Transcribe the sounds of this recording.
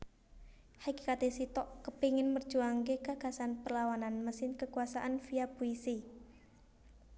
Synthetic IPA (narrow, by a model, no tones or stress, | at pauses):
haki̥kat̪esit̪ɔʔkəpiŋɪnmər̥ʒ̥uaŋkekaɡ̥a̤sanpərlawananməsɪnkəkuasaʔanfiabuisi